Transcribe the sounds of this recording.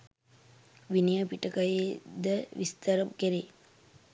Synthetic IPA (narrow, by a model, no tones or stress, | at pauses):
ʋinijɐpiʈɐkɐjed̪əʋist̪ɐɾɐmkeɾe